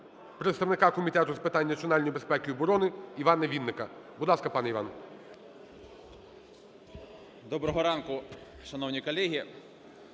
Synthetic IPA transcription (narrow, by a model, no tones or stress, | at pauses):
pɾet̪st̪ɐʋnɪkɑkɔmʲit̪ɛt̪ʊzpɪt̪ɑnʲːɐsʲiɔnɑlʲnɔjibespɛkʲɪɔbɔɾɔnɪiʋɑnːeʋʲinːɪkɐbʊd̪lˠɑskɐpɑnɛiʋɑ̰n | d̪ɔbɾɔɦɔɾɑnkʊ | ʃɐnɔwnʲikɔlʲɛɦʲi